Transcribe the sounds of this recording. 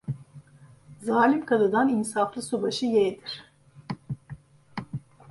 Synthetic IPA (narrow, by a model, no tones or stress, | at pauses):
zaːlʲimkʰad̪ɯd̪aninsaflˠɯsobaʃɯjɛd̪iɾ̥